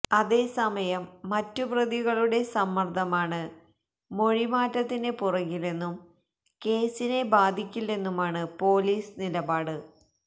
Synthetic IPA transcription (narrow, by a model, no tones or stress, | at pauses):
ɐðe̞ːsɐmɐjɐmːɐtːuprɐðiɣɐɭuɽe̞sɐmːɐrd̪ʰʱɐmaːɳɨ | mo̞ɻimaːtːɐt̪ːinepurɐɣile̞nːum | ke̞ːsine̞baːd̪ʱikʲːilːe̞nːumaːɳɨpo̞ːliːsnilɐbaːɽɨ